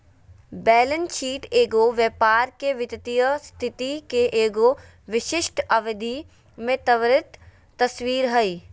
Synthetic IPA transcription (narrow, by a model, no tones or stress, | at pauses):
bɛːlənʃiːʈeːɡoʋjəpaːɾkeʋɪt̪t̪ijəst̪ʰɪt̪ikeʔeːɡo | ʋɪʃɪʃʈʰɐʋəd̪ʱi | mẽt̪ɐʋɾɪt̪ː | ɐswiːɾɦɐi